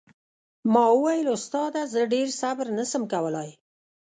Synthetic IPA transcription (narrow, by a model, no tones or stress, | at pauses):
mɑwəwajəlʊst̪ɑd̪azəɖeɾsabɾnəsəmkawəlɑj